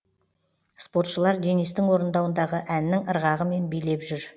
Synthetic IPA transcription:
spo̞ɾt̪ʃəlˠɑɾd̪enist̪ɪŋwo̞ɾənd̪ɑwənd̪ɑʁəʔænːɪŋəɾʁɑʁəme̞nbijle̞pʒʏɾ

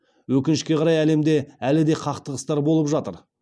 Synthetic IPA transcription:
wɵkʲɪnɪʃkʲe̞qʰɑɾɑjæle̞md̪e̞ælɪd̪e̞qʰɑqt̪əʁəst̪ɑɾbo̞lˠəpʒɑt̪əɾ

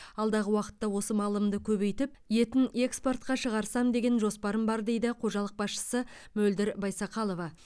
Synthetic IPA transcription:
ɑlˠd̪ɑʁəwɑqə̥t̪ːɑwo̞səmɑlˠəmd̪əkʲʰɵβe̞jt̪ɪp̚je̞t̪ɪne̞kspo̞rt̪̚qɑʃəʁɑɾsɑmd̪e̞ɡʲe̞nʒo̞spɑɾəmbɑɾd̪e̞jd̪ɪqʰo̞ʒɑlˠəq̚bɑsʃə̥sə | mɵld̪ɪɾbɑjsɑqɑlˠo̞vɑ

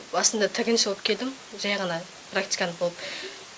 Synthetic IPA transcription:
bɑsənd̪ɑt̪ʰɪɡʲɪnʃoəp̚kʲʰe̞ld̪ɪm | ʒɑjʁɑnɑ | pʰrak̚t̪ijkanəbolˠəp

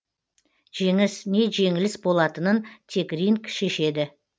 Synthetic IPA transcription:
ʒ̥e̞ŋɪsne̞ʒe̞ŋɪlɪsbo̞lˠɑt̪ənənt̪ʰe̞krʲiŋkʃe̞ʃe̞d̪ɪ

